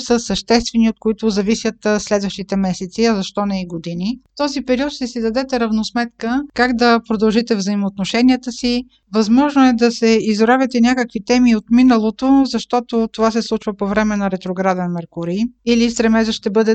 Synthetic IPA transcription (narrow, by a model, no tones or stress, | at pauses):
səsəʃt̪ɛst̪vɛniot̪̚koit̪ʊzɐvisʲjət̪slɛd̪vəʃt̪it̪ɛmɛsɛt̪siɐzɐʃt̪ɔnɛiɡod̪init̪ɔzipɛɾiɔt̪ʃt̪ɛsid̪ɐd̪ɛt̪ɛɾɐvnosmɛt̪kəkaɡd̪ɐpɾod̪ɐlˠʒit̪ɛvzəimoːt̪noʃɛniət̪əsi | vɐzmɔʒnoɛd̪ɐsɛizɾavɛt̪ɛnʲjakəkvit̪ɛmiot̪minəlˠot̪ozɐʃt̪ɔt̪ot̪ovasɛslˠut͡ʃvəpovɾɛmɛnɐɾɛt̪ɾoɡɾad̪ɛnmɛɾkʊɾiilist̪ɾɛmɛzəʃt̪ɛbɤd̪ɛ